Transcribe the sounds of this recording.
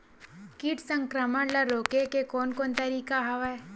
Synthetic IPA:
kiʈsə̃ŋkɾəməɽlɐɾoːkekekoːnkoːnt̪əɾiːkaɦɐʋa

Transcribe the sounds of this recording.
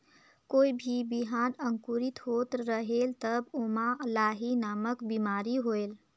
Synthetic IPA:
koibʱibiɦanəŋkuɾit̪ɦot̪ɾəɦelt̪əbomalaɦinaməkbimaɾiɦoel

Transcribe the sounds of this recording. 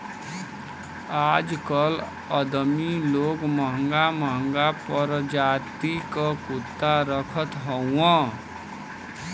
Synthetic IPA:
ad͡ʒkʌl | əd̪miloɡməɦəŋɡaməɦəŋɡapəɾd͡ʒat̪ikʌkut̪ːaɾəkʰət̪ɦʌw̃ʌ̃

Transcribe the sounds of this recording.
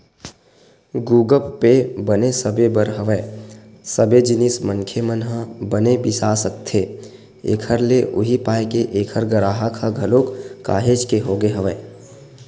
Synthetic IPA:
ɡuːɡəpːebənesəbebəɾɦəʋɛ | səbed͡ʒɪnɪsməŋkʰemənɦəbənebisaːsək̚t̪ʰe | ḛːkʰəɾleʔʊɦipaːjkeʔeːkʰəɾɡəɾaːɦakʰaɡʱɐlokka̰ːɦeːd͡ʒkeɦoːɡeɦəʋɛː

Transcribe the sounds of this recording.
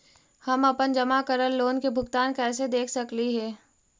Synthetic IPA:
hɐmɐpənd͡ʒɐmakəɾəlːoːnkebʱʊɡt̪aːnkɛːs̬ed̪eːkʰsɐkliɦɛː

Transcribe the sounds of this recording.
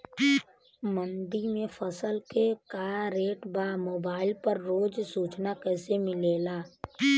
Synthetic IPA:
mə̃nd̪imẽfʰəsəlkekaːɾeːʈbaːmoːbaːɪlpəɾɾoːd͡ʒsuːt͡ʃnakɛːsemɪleːlaː

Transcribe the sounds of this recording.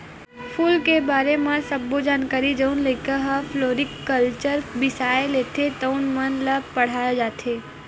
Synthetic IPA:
fʰulkebaɾemãsəbːod͡ʒankaɾid͡ʒəunləkəɦafloɾikːəlt͡ʃəɾbɪsaelet̪ʰet̪əunmənləbpəɽ̤ajod͡ʒat̪ʰe

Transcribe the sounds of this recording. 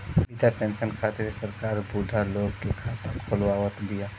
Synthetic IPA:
bid̪apẽːnsənkʰat̪ɪɾsəɾkaːɾbud̪ʱaloːɡkekʰat̪əɾkʰʊlwawət̪d̪ija

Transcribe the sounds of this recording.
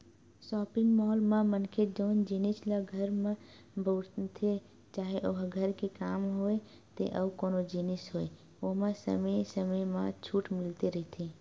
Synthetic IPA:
sɔːpɪ̃ŋɡmɔːlmãmənkʰed͡ʒəʊnd͡ʒinɪslaɡʱəɾmẽ | bʱoːɾt̪ʰe | t͡ʃaːɦeʔoɦɡʱəɾkekaːmɦoːe | t̪ḛʔəbkoːnod͡ʒiːnɪsɦoːḛ | oːmãsə̰msəməjmãt͡ʃʰuːʈmɪlt̪eɾəɦit̪ʰi

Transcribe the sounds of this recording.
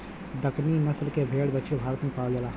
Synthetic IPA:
d̪əkninəslkebʱeːɽb̪ət͡ʃʰibʱaːɾət̪mẽkaːld͡ʒela

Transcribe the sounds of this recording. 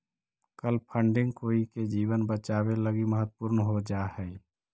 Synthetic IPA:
kəlpʰəɳɖɪ̃ŋɡkoːiked͡ʒiːbənbət͡ʃaːbeləɡiməɦət̪ːpʊɾnɦod͡ʒahɛː

